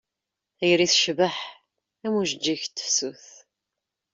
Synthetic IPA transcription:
æjəɾiθʃvəħ | æmuʒəd͡ʒːiçt̪ːsuθ

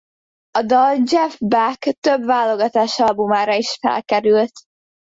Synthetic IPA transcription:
ɒd̪ɒld͡ʒɛfbakt̪øbvaːloɡɒt̪aːʃɒlbumaːɾɒiʃfɛ̰lkɛɾylt̪

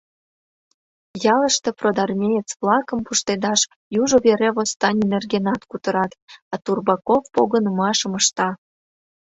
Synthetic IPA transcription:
jɑlə̆ʃt̪ĕprod̪ɑrmʲejət͡sβlˠɑkə̆mpuʃt̪ed̪ɑʃ | juʒoβeɾeβost̪ɑnʲinerɡenɑt̪kut̪ə̆ɾɑt̪ɑt̪urbɑkofpoɣənəmɑʃəməʃt̪ɑ

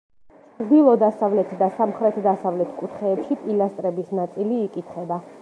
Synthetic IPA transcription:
t͡ʃɾd̪ilˠɔd̪asavlɛt̪ʰd̪asamχɾɛt̪ʰd̪asavlɛt̪ʰkʼut̪ʰχɛːpʃipʼilast̪ʼɾɛbisnat̪sʼiliːkʼit̪ʰχɛba

